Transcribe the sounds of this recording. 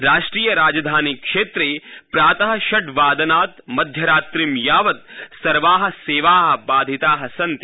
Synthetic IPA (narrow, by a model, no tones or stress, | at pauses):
ɾaːʂʈɾiːjɐɾaːd͡ʒɐd̪ʱaːnikʂeːt̪ɾeːpɾaːt̪ɐɦɐ̆ʃɐʈʋaːd̪ɐnaːt̪mɐd̪ʱjɐɾaːt̪ɾimjaːʋɐt̪̚sɐɾʋaːɦɐ̆seːʋaːɦɐ̆baːd̪ʱit̪aːɦɐsɐnt̪